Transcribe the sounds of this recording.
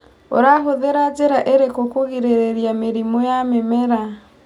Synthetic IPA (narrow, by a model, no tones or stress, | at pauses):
o̰ɾaɦoðeɾad͡ʒeɾaʔeɾekokoɣiɾeɾeɾjameɾimojamemɛɾa